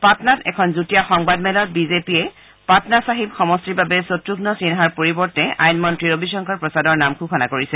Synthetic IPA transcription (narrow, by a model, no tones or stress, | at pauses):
patnatɛ̰kʰɔnzutijaxɔŋbadmɛlɔt̚bizepiɛ | patnasaɦib̚xɔmɔstɹibabɛsotɹuɡnɔsinɦaɹpoɹibɔɹtɛʔa̰jnmɔntɹiɹobisɔŋkʰaɹpɹɔsadɔɹnamkʰukʰɔnakoɹisɛ